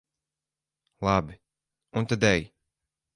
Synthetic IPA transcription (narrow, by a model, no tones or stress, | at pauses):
lˠabi | unt̪ad̪ɛj